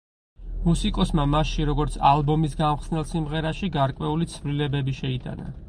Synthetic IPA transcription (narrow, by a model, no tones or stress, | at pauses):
musikʼɔsmamasʃiɾɔɡɔɾt̪sʰalˠbɔmisɡamχsnɛlˠsimʁɛɾaʃiɡaɾkʼwɛulit̪sʰvlilɛbɛbiʃɛit̪ʼa̰na̰